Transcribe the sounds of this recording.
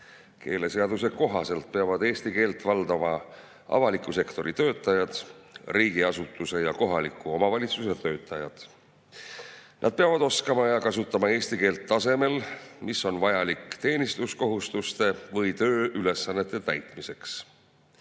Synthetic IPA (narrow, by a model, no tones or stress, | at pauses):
ke̞̰ːle̞se̞ɑd̪use̞ko̞ɦɑse̞lt̪̚peɑvɑd̪e̞ːst̪ike̞ːlt̪vɑld̪̥ɑmɑ | ʔɑ̰vɑlikːuse̞kt̪o̞ɾit̪ø̞ːt̪ːˑɑjɑd̪̥riːɡ̥iɑsut̪ːˑuse̞jɑko̞ɦɑlikːuo̞mɑvɑlʲit̪suse̞t̪ø̞ːt̪ːˑɑjɑ̰d̪̥ | nʔɑ̰d̪̥̚peɑvɑd̪o̞skɑmɑjɑkɑsut̪ːˑɑmɑe̞ːst̪ike̞ːlt̪ːɑse̞me̞lmiso̞nvɑjɑlikt̪e̞ːnist̪usko̞ɦust̪ust̪e̞vɤjt̪ø̞ːyle̞sːɑnːet̪ːˑe̞t̪æjt̪ˑmise̞ks